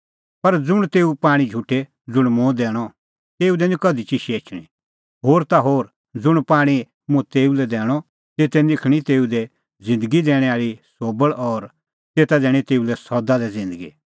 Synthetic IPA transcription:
pɐɾd͡zʊɽ̃t̪eːupaːɽ̃id͡ʒʱuʈːe | d͡zʊɽ̃mũd̪ɛːɽ̃ɔ | t̪eːud̪ɛnĩkɐd̪ʱit͡ʃiʃieːt͡ʃʰɽ̃ḭ̃ | ɦoːɾt̪aɦoːɾ | d͡zʊɽ̃paːɽ̃i | mũt̪eːulɛd̪ɛːɽ̃ɔ | t̪eːt̪ɛnɪkʰɽ̃it̪eːud̪ɛ | d͡zɪ̃nd̪əɡid̪ɛːɽ̃ɛaːɾisoːbəɭɔɾ | t̪eːt̪ad̪ɛːɽ̃it̪eːulɛsɔd̪ad̪ɛd͡zɪ̃nd̪əɡḭ

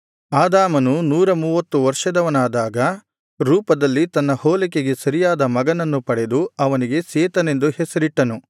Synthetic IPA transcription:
aːd̪aːmɐnunuːɾɐmuːʋɐt̪ːuʋɐɾʂɐd̪ɐʋɐnaːd̪aːɡɐ | ɾuːpɐd̪ɐlːit̪ɐnːɐhoːlik̬eɡe̞sɐɾijaːd̪ɐmɐɡɐnɐnːupɐɽe̞d̪uɐʋɐniɡe̞seːt̪ɐne̞nd̪uhesɐɾiʈːɐnu

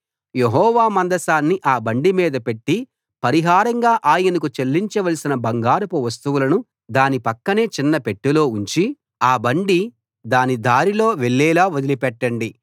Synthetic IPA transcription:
jeɦɔːʋaːmɐnd̪ɐsaːnːiʔaːbɐɳɖimiːd̪ɐpe̞ʈːi | pɐɾiɦaːɾɐŋɡaːʔaːjɐnɐk̬ut͡ʃelːiɲt͡ʃɐʋɐlisinɐbɐŋɡaːɾupuʋɐs̬t̪uʋulɐnu | d̪aːnipɐkːɐne̞ːt͡ʃinːɐpe̞ʈːulo̞ːuɲt͡ʃi | aːbɐɳɖi | d̪aːnid̪aːɾilo̞ːʋeɭːɛːlaːod̪ilipɛʈːɐɳɖi

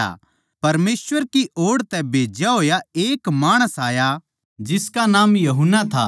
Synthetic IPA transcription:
a̰ | pɐɾmeːsʋəɾkiʔoːɽt̪ɛbʱeːd͡ʒjaɦoːjaeːkmaːɽ̃əsaːja | d͡ʒɪskanaːmjɐɦʊnːat̪ʰa̰

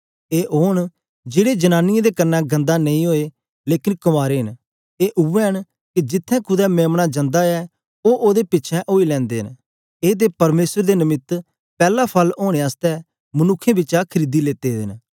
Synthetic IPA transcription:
eːʔoːɳ̃ | d͡ʒeːɽed͡ʒənaːnɪjẽd̪eːkəɾnːaɡə̃nd̪anɐ̃ĩɦoːe | leːkɪnkəmaːɾeɦɪn | eːʔʊɛɦən | kid͡ʒɪt̪ʰːɛ̃ːkʰʊd̪ɛmẽːmɽad͡ʒə̃nd̪aɛ | oːʔoːd̪epɪtːʃʰɛ̃ʔoːilɛ̃ːnd̪eːɦən | eːd̪epɐɾmeːsəɾd̪eːnəmɪt̪ | pɛːlapʰəloːɽ̃eaːst̪ɛː | mənʊkʰːẽːbɪt͡ʃakʰəɾiːd̪ileːt̪eɪn

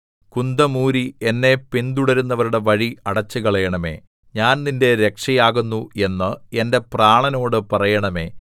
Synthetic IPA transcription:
kund̪ɐmuːɾie̞nːe̞pind̪uɽɐɾunːɐʋɐɾuɽe̞ʋɐɻiɐɽɐt͡ɕːuɣɐɭɐjɐɳɐme̞̰ː | ɲaːnninde̞ɾe̞kʂɐjaːɣunːue̞nːɨe̞nde̞praːɳɐno̞ːɽɨpɐrɐjɐɳɐme̞̰ː

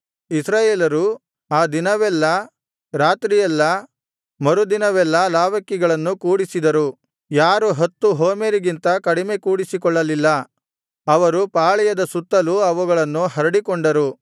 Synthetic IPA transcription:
isɾaːjeːlɐɾu | aːd̪inɐʋɛlːɐ | ɾaːt̪ɾijɛlːɐ | mɐɾud̪inɐʋɛlːɐlaːʋɐkːiɡɐɭɐnːukuːɽisid̪ɐɾu | jaːɾuɦɐt̪ːuɦoːmeɾiɡint̪ɐkɐɽime̞kuːɽisikɔɭːɐlilːɐ | ɐʋɐɾupaːɭɛjɐd̪ɐsut̪ːɐluɐʋuɡɐɭɐnːuɦɐɾɐɽikɔɳɖɐɾu

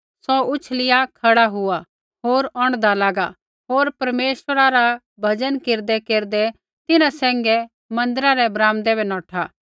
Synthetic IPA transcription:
sɔʊt͡ʃʰlɪjakʰɐɽaɦʊa | ɦoːɾɔ̃ːɽ̃d̪alaːɡa | ɦoːɾpɐɾmeːʃəɾaɾa | bʱɐd͡ʒənkɪɾd̪ɛkeːɾd̪ɛ | t̪ɪnãsɛ̃ːŋɡɛ | mɐ̃nd̪əɾaɾɛbɾãːmd̪ɛbɛnɔːʈʰa

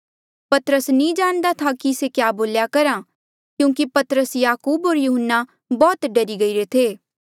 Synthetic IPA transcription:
pɐt̪əɾəsnĩd͡ʒaːñd̪at̪ʰakisekjaːboːljakɐɾa | kjũːkipɐt̪ɾəsjaːkuːboːɾjuːɦənːa | bɔːt̪ɖɐɾiɡɐiɾet̪ʰeː

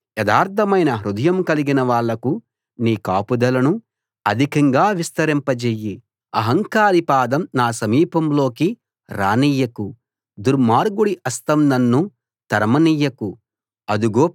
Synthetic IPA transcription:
jɛd̪aːɾt̪ʰɐmɐjnɐɦɾud̪ɐjɐmkɐliɡinɐʋaːɭːɐku | niːkaːpud̪ɐlɐnu | ɐd̪ʱikɐŋɡaːʋist̪ɐɾimpɐd͡ʒeːjːi | ɐɦɐŋkaːɾipaːd̪ɐmnaːsɐmiːpɐmlo̞ːki | ɾa̰ːniːjɐku | d̪uɾmaːɾɡuɽiʔɐst̪ɐmnɐnːu | t̪ɐɾmɐniːjɐku | ɐd̪uɡoː

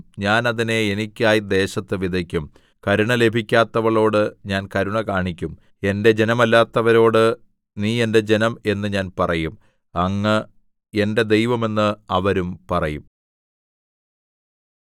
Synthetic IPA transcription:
ɲaːnɐðine̞enikʲːaːjid̪e̞ːɕɐt̪ːɨʋid̪ʱɐkʲːum | kɐɾuɳɐle̞bʱikʲːaːt̪ːɐʋɐɭo̞ːɽɨɲaːnkɐɾuɳɐkaːɳikʲːum | e̞nde̞d͡ʑe̞nɐmɐlːaːt̪ːɐʋɐɾo̞ːɽɨ | niːe̞nde̞d͡ʑe̞nɐme̞nːɨɲaːnpɐrɐjum | ɐŋːɐ | e̞nde̞d̪e̞jʋɐme̞nːɨɐʋɐɾumpɐrɐjum

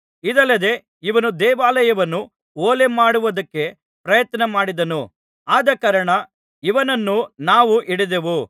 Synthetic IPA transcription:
id̪ɐlːɐd̪e̞ | iʋɐnud̪ɛːʋaːlɐjɐʋɐnːu | oːle̞maːɽuʋɐd̪ɐkːe̞ | pɾɐjɐt̪nɐmaːɽid̪ɐnu | aːd̪ɐkɐːɾɐɳɐ | iʋɐnɐnːunaːʋuʔiɽid̪eʋu

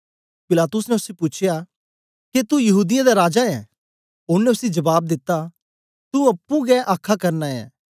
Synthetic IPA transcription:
pɪlaːt̪ʊsnɛʊsepʊːt͡ʃʰɪja | ket̪ujɐɦuːd̪ɪjãd̪aɾaːd͡ʒaɛ̃ | ʊnːɛʊsid͡ʒɐbaːb̚d̪ɪt̪ːa | t̪uɐpːũɡɛʔaːkʰːakɐɾnaɛ̰̃ː

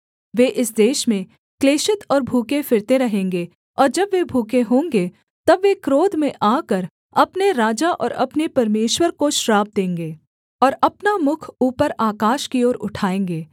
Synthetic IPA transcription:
ʋeːʔɪsd̪eːʃmẽ | kleːʃɪt̪ʰɔːɾbʱuːkefɪɾt̪eɾɐɦẽːŋɡe | ɔːɾd͡ʒɐbʋebʱuːkeɦõːŋɡe | t̪ɐbʋekɾoːd̪mẽʔaːkəɾ | ɐpneɾaːd͡ʒaʔɔ̰ːɾɐpnepɐɾmeːʃwəɾkoʃɾaːb̚d̪ẽːŋɡeː | ɔːɾɐpnamʊkʰuːpəɾaːkaːʃkiɔːɾʊʈʰaːẽːŋɡeː

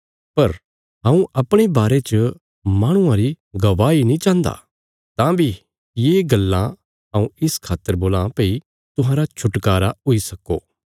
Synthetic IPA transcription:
pɐɾ | ɦãːũʔɐpɽ̃ibaːɾet͡ʃə | maːɽ̃ʊ̃ãɾi | ɡɐʋaːinĩt͡ʃãːnd̪a̰ | t̪ãːbʱi | jeːɡɐlːã | ɦɐ̃ːũɪskʰaːt̪ːəɾboːlãːpeːi | t̪ʊɦãːɾat͡ʃʰʊʈkaːɾaʊisɐkːoː

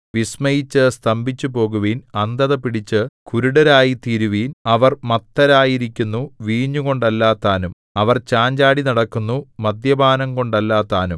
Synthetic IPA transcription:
ʋismɐjit͡ɕːɨst̪ɐmbʱit͡ɕːupo̞ːɣuʋiːnɐnd̪ɐðɐpiɽit͡ɕːɨkuɾuɽɐɾaːjit̪iːɾuʋiːnɐʋɐrmɐt̪ːɐɾaːjiɾikʲːunːuʋiːɲːuɣo̞ɳɖɐlːaːt̪ːaːnum | ɐʋɐrt͡ɕaːɲd͡ʑaːɽinɐɽɐkːunːumɐd̪jɐbʱaːnɐmko̞ɳɖɐlːaːt̪ːaːnum

